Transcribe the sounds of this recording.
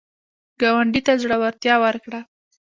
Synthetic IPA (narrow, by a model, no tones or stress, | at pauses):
ɡɑwaɳɖit̪azɽəwaɾt̪jɑwəɾkɽa